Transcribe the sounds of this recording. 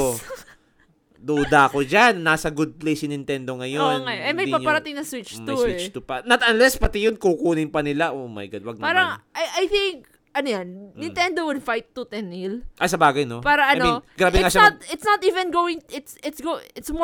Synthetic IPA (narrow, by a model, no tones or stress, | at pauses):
o | d̪uːd̪akod͡ʒanːaːsɐɡʊd̪̚plejsɪnɪnt̪ɛnd̪o̞ŋɐjonŋɐjʔɐmɐjpapɐɾɐt̪ɪŋnɐswɪt͡ʃmuswiɛt͡ʃt̪upɐnɐt̪ɐnlɛspɐt̪ɪjonkukuːnɪnpɐnɪlaʔomɐ̰jɡad̪̚wɐɡ̚paːɾɐŋajʔajθɪŋk̚ | ʔɐnojanːɪ̃nt̪ɛnd̪owɪd̪fajt̪ːʊt̪ɛnilʔɐjsɐbaːɡɐjno̞paːɾɐʔɐajninɡɾaːbɪŋaʃat̪̚ɪt̪snɐt̪ʔiːvɛ̃nɡowɪŋɪt̪sɪt̪sɡoɪt̪sm